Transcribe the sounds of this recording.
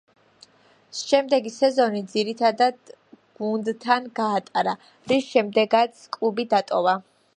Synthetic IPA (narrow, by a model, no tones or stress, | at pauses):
ʃɛmd̪ɛɡisɛzɔnid̪ziɾit̪ʰad̪ad̪̥ | ɡ̥und̪t̪ʰanɡaːt̪ʼaɾa | ɾisʃɛmd̪ɛɡat̪sʰkʼlˠubid̪at̪ʼɔva